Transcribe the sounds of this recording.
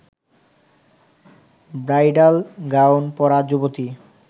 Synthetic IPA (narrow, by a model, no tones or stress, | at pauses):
bɾajɖalɡawnpɔɾad͡ʑobot̪i